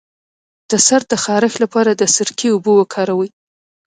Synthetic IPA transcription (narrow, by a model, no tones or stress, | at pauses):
d̪̥əsaɾ̚d̪əxɑɾɪxlapɑɾad̪əsɪɾkiubowəkʰɑɾawəj